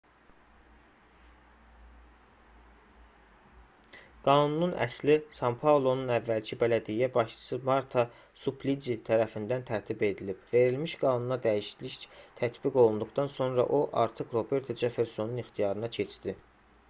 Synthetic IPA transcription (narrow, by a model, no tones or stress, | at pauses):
ɡ̥ɑnununæ̰slisɑmpʰɑulˠo̞nunævːælcʰibælæd̪ijæbɑʃt͡ʃʰɯ̥sɯmɑɾt̪ʰɑ | supʰlid͡ʒit̪ʰæɾæfind̪ænt̪ʰæɾt̪ʰibe̞d̪ilib̥ve̞ɾilmiʃɡ̥ɑːnunɑd̪æjiʃi̥d̪liçt̪ʰæt̪biɡo̞lˠund̪uɡt̪ɑnso̞nɾɑ̰ʔo̞ʔɑ̰ɾt̪ʰɯkɾo̞be̞ɾt̪ʰod͡ʒefe̞ɾso̞nunixt̪ijɑɾɯnɑcʰe̞t͡ʃʰd̪i